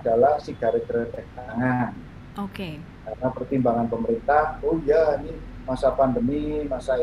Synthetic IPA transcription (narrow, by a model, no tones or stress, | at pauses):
d̥alahsiɡ̥a̤ɾəkəɾədɛk̚t̪aŋan | oke | karnapərt̪imbaŋanpəməɾint̪ahojainimasapandəmimasa